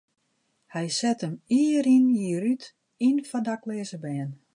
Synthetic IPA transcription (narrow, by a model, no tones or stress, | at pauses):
hɛjsɛtəmiəɾinjiɾyt | infandaklɛːzəbɛːn